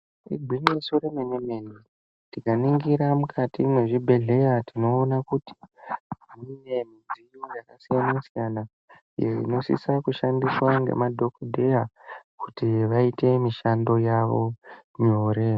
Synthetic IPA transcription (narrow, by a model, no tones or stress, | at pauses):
ḭɡʱiɲesoɾemenemeni | tikaniŋɡiɾamukʰatimwe̞ʐibʱe̞ɮe̞jatino̞ːnakuti̥ | ine̞mid͡zijojakasijanasijana | jerḭno̞sḭsakuʃandiswaŋɡe̞̰madʱo̞kdʱe̞jakutiʋaite̞miʃando̞jaʋo̞ɲo̞ːɾe̞